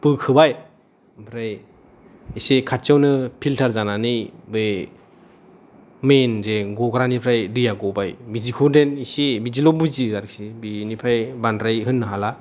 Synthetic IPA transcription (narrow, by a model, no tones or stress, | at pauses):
pɯkʰɯbaj | pʰɾaj | isekʰat̚t͡ʃawnɯpʰiltʰaɾzananɯjbɯ | menzeɡɔɡɾanipʰɾajdɯjaɡɔbajbizikʰudenisebid͡ʒilɔbuziaɾɯk̚sibinipʰajbandɾajɦɯnːɯɦala